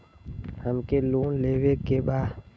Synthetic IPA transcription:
həmkeloːnleːwekebaː

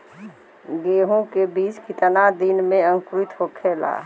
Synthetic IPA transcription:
ɡeːɦõkebiːt͡ʃkit̪ənad̪inmẽə̃ŋkɾit̪ɦokʰeːla̰ː

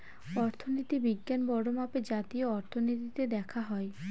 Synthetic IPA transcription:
ɔɾt̪ʰonit̪ibiɡːanbɔɽomaped͡ʑat̪ioɔɾt̪ʰonit̪it̪ed̪ɛkʰaɦɔe

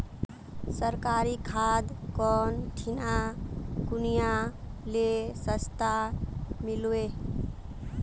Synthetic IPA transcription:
səɾkaɾikʰad̪kɔnʈʰinakunijalesəst̪amilue

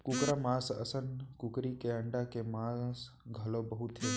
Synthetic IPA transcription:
kukɾamãːsə̰sənkʊkɾikeəɳɖakemaːs | ɡʱəlobəɦut̪ɦe

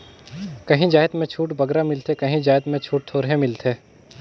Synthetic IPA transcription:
kɐɦĩd͡ʒaːjt̪mẽt͡ʃʰuːʈbɐɡɾamɪlt̪ʰekɐɦĩd͡ʒaːjt̪mẽt͡ʃʰuːʈ̚t̪ʰoːɾɦẽmɪlt̪ʰeː

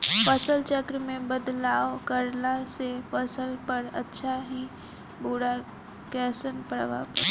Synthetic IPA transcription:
fəsəlt͡ʃəkɾmẽbəd̪laːʋkəɾlasefəsəlpəɾə̰tːʃʰaɦi | boɽa | kɛsənpəɾʋa̰pəɾ

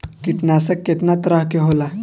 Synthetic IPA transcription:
kiʈnasəkːet̪nat̪ɾaɦkeɦola

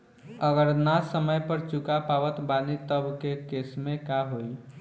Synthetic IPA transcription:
əɡəɾnasəməjpəɾt͡ʃukapaʋət̪banit̪əbkekesmẽkaɦoj

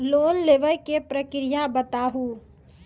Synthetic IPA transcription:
loːnleːʋəjkepɾəkɾijabət̪aːɦu

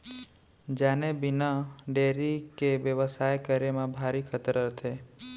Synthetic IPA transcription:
d͡ʒanebinaɖeɾikeʋjəʋəsajkəɾemãbʱaɾikʰət̪ɾət̪ʰe

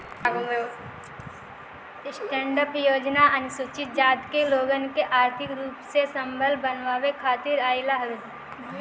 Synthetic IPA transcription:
ɡoo | sʈɛ̃ːɳɖəpjoːd͡ʒnaɐnsʊt͡ʃɪt̪̚d͡ʒaːd̪keloːɡənkeʔaːɾt̪ʰɪkɾuːpsesə̃mbʱəlbənʋaːʋekʰaːt̪ɪɾaːɪlaɦɾu

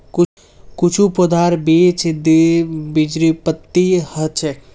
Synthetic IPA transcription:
kʊ | kʊt͡ʃʰupod̪aːɾbiːt͡ʃd̪ibid͡ʒɾipət̪ːihət͡ʃʰe

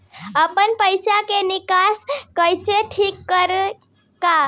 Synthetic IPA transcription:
əpənpəjsakenɪkaskəjseʈʰikːəɾ | ka

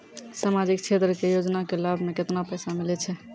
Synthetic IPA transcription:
samad͡ʒikt͡ʃʰet̪ɾəkejod͡ʒnakelabʱmeket̪napɛsamilɛt͡ʃʰɛ

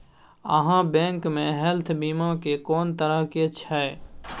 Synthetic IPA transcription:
ə̰ɦãbɛ̃ːŋkmẽɦɛlt̪ʰbiːmãkekɔːnt̪əɾəket͡ʃʰɛ

